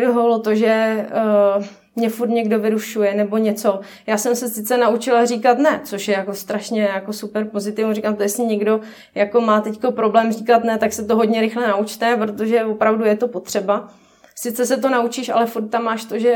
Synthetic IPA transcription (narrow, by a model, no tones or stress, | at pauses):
doɦolot̪oʒɛ | mɲɛfuɾt̪ɲɛɡdovɪɾuʃujɛnɛbo̞ɲɛt͡so̞ | jaːsɛmsɛsɪt̪t͡sɛnaut͡ʃɪlariːkat̪nɛt͡so̞ʃjɛjako̞st̪ɾaʃɲɛjako̞supɛɾpo̞zɪt̪ɪvrikamt̪ojɛsɪɲɛɡdo̞ | jako̞maːt̪ɛcko̞pɾo̞blɛːmrikat̪nɛt̪aksɛt̪oɦod̪ɲɛɾɪxlɛnaut͡ʃt̪ɛpɾo̞t̪o̞ʒɛvopɾavdujɛt̪o̞po̞t̪r̥ɛba | sɪt̪t͡sɛsɛt̪̬o̞naut͡ʃiːʃa̰lɛfuɾt̪̚tːamːaːʃt̪o̞ʒɛ